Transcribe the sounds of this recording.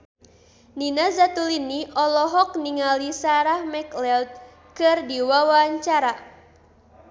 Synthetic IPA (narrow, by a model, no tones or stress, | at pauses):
ninazat̪uliniɔlɔɦɔk̚niŋalisaɾahmɛklɛlt̪̚ | kɨrdiwawaɲt͡ʃaɾa